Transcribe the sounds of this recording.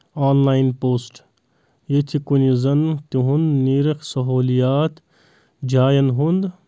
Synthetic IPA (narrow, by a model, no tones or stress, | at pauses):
aːnlaːjnpoːsʈ | jet̪ʰikunizɐnt̪iɦund̪niːɾɐkʰsɐɦoːlijaːt̪ | d͡ʒaːjɐnɦund̪